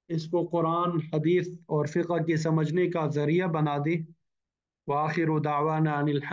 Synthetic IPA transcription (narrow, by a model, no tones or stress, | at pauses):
ɪskoqʊɾaːnħɐd̪iːθɔːɾfɪqɦkes̬ɐməd͡ʒnekazɐɾijabɐnaːd̪eː | wɐaːxɪɾud̪aʕwanaɐnɪlħ